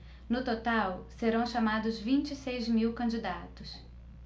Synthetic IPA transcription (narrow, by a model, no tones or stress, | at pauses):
nʊt̪ot̪awseɾɐ̃w̃ʃamad̪ʊzvĩnt͡ʃisejzmiwkɐ̃nd͡ʒid̪at̪ʊs